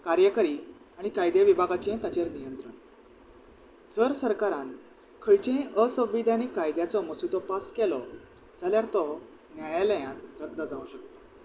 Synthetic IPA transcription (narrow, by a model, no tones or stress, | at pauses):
kaɾjəkəɾi | aɽ̃ikajd̪jaʋibʱaɡat͡ɕẽt̪at͡ɕeɾnijənt̪ɾəɳ | d͡zəɾsəɾkaɾãn | kʰəjt͡ɕẽəsə̃ʋːid̪ʱjanikːajd̪jat͡sɔməsut̪ɔpaskɛlɔ | d͡zaljaɾt̪ɔ | njajaləjãt̪ɾəd̪ʱːəd͡zaʋũɕək̚t̪ḁ